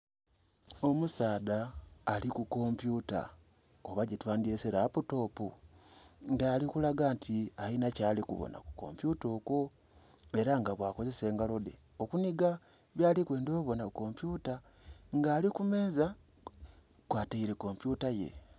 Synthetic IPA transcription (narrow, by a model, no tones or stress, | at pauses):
o̞musaːdaːlikuko̞mpjuta̰ | oβaɟitwaːndiɾeseɾaputo̞ːpu | ŋɡaːlikulaɡaːntʰiainacaːlikṵβo̰na̰ku̥ko̞̰mpjuto̞ːko̞ | e̞ɾaŋɡaβwaːko̞ze̞se̞ːŋɡalo̞de̞ | o̞kuniɡa | βjaːlikwe̞ːndo̞ːβo̞nako̞mpjuta | ŋɡaːlikume̞ːza | kwaːtaiɾe̞ko̞mpjutaje̞̰